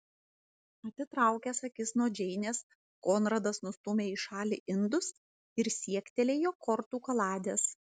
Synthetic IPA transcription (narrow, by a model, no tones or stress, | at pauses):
ɐt̪ʲɪt̪ɾɐˑʊkʲɛsɐkʲɪsnoɔd͡ʒʲɛɪnʲeːs | koːnɾɐd̪ɐsnʊst̪ʊmʲeːɪʃɑːlʲiːʔɪnd̪ʊs | ɪɾsʲiɛkʲt̪ʲɛlʲeːjoːkɔɾt̪uːkɐlˠɑːd̪ʲeːs